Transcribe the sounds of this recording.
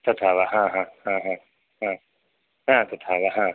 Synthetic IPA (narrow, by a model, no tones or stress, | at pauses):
t̪ot̪ʰaːʋaɦãːɦãːɦãːɦã | ɦãː | ɦãːt̪ot̪ʰaːʋaɦãː